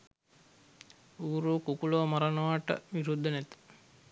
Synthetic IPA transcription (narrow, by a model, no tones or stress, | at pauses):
uːɾuːkukulomaɾɐnɐʋaʈə̰ʋiɾud̪ʱːənæt̪ə̥